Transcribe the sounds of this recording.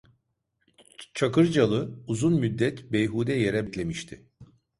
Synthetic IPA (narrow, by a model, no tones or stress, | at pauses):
t͡ʃʰakɯɾd͡ʒalˠɯuzunmyd̪ːɛt̪bejɦuːd̪ɛjeɾɛbicʲlʲe̞miʃt̪ʰɪ